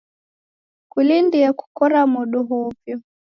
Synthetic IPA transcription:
kulindiɛku̥kɔɾamɔɗɔɦɔvjɔ

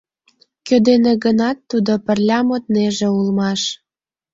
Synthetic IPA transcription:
kød̪eneɣənɑt̪ːud̪opə̆rlʲɑmot̪̚neʒĕulmɑʃ

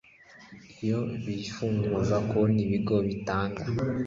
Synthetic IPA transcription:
ijo̞βifuːŋɡuzakoniβiɡo̞βitaːŋɡa

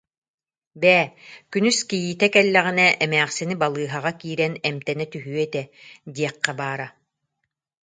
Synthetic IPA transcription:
bɛːkynyskijiːt̪ɛkɛlːɛʁinɛʔɛmæːχsinibalˠɯːɦaʁakiːɾɛnɛmt̪ɛnɛt̪yɦyɛt̪ɛd̪iɛqːabaːɾa

